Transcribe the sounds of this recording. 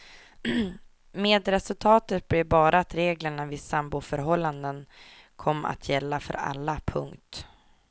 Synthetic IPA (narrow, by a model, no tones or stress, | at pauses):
meːd̪ɾɛsɵlt̪ʰɑːt̪ət̪̚blɪɾbɑːɾʔaːt̪ɾeːɡləɳavɪːsambʊfœɾɦɔlːand̪ən | kʰɔmːa̰t̪ʰjɛlːafœ̰ɾa̰lːapʰɵ̰ŋkt̪